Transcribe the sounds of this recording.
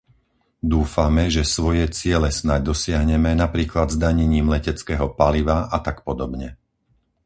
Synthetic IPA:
d̪uːfamɛʒɛsʋɔjɛt͡sɪɛlɛsnaɟ̚d̪ɔsɪaɦɲɛmɛnapɾiːklad̪zd̪aɲɛɲiːmlɛcɛt͡skɛːɦɔpaliʋaat̪akpɔd̪ɔbɲɛ

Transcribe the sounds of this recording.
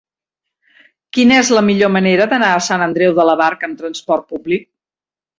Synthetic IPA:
kinəezləmiʎoməneɾəðənaəsanənd̪ɾɛwðələβaɾkəmt̪ɾənspɔrt̪̚publik̚

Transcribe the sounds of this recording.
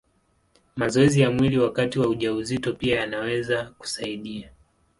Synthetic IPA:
mazɔɛzijamwiliwakatiwauʄauzitɔpiajanawɛzaku̥saiɗia

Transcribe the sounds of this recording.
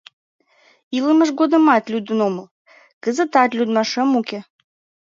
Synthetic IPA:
ilˠɨməʃɡod̪əmat̪ʲlʲud̪noməlˠ | kəzət̪at̪ʲlʲud̪maʂɛmukʲe

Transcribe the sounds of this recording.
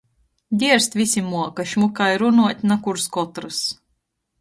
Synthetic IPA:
d̪ʲiɛɾst̪ʲvʲisʲimuɔkaʃmukajɾunuɔt̪ʲnakuɾskɔt̪ɾɨs

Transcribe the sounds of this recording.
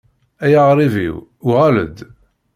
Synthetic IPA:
æjəʁɾˤivḭwuʁælə̰d̪

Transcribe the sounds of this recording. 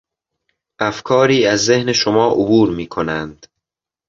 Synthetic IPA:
ʔæfkʰɒːɾiːæzːe̞hne̞ʃomɒːʔobuːɾmiːkʰo̞nænd̪̥

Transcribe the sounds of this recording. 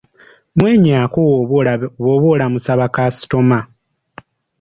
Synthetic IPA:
mweːɲaːko | woβo̞ːlamusaβakasi̥to̞ma

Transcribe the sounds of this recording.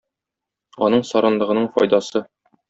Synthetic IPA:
ɒnɤɴsɒɾɑnlˠɤ̆ʁɤ̆nɤɴfɒ̰jd̪ɑsɤ

